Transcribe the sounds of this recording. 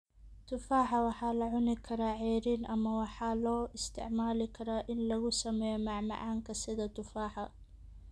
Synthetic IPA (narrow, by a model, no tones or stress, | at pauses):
t̪ʰʊfaːħɑwɑħɑːlɐʕʊnɪkʰɐɾaːʕɛːɾiːnʔɐmɐwɑħɑːlɔːʔɪst̪ʰɪ̰ʕmaːlɪkʰɐɾaːʔɪnlɐɣʊsɐmɛːjɔmɑʕmɑ̰ʕɑːŋkʰɐsɪðɐt̪ʰʊfaːħɐ